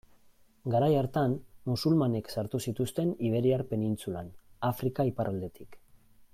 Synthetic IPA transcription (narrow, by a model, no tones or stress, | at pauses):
ɡaɾajaɾt̪anmusulmane̞ksaɾt̪usit̪ust̪e̞niβ̞e̞ɾiaɾpe̞nint͡sula̰nafɾikaipaɾʔald̪e̞t̪ʰik